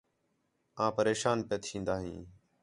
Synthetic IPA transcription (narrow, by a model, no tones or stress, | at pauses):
ãːpəɾeːʃaːnpeːt̪ʰĩːnd̪aːɦḭ̃ː